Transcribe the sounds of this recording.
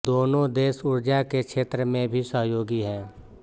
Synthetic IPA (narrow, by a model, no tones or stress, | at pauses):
d̪oːnõd̪eːsʊɾd͡ʒakekʃʰeːt̪ɾəmẽbʱisəɦjoːɡiɦɛ̃ː